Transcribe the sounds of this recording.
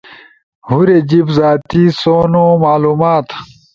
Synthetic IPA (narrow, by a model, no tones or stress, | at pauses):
huɾed͡ʑibzaːt̪isoːnomaːluːmaːt̪